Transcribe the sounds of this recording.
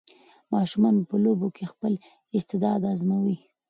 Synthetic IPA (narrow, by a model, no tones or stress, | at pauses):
mɑʃumɑnopəlobokʰexpəl | ɪst̪ɪd̪ɑd̪azmawi